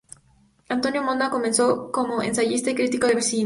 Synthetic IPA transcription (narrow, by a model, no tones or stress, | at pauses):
ant̪o̞niomo̞nd̪ako̞me̞nt͡sokomoḛnsaʝist̪ekɾit̪ikoðeβeɾsii